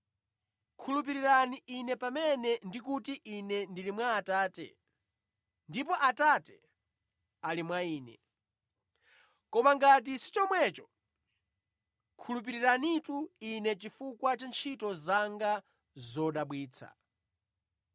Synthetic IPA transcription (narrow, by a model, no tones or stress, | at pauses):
kʰulup̬iɾiɾaniʔinɛpamɛnɛndikutiʔinɛndilimwaːtaːtɛ̰ | ndipɔʔatatɛ | alimwaiːnɛ̰ | kɔmaŋɡat̬isi̥t͡ʃɔmwɛt͡ʃɔ | kʰulup̬iɾiɾanituinɛt͡ʃifukwat͡ʃant͡ʃʰitɔzaŋɡa | zɔɗaɓwiːt͡sʰa̰